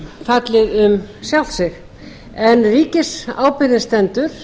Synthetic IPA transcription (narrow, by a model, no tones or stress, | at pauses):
fat̪lɪðʏmsjawlsɪɾ | ɛnːriːcɪsa̰ːwpɪɾnɪst̪ɛnt̪ʏɾ̥